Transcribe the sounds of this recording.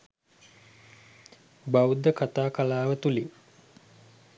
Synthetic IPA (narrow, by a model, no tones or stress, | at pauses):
bawd̪əkat̪aːkalaːʋət̪uli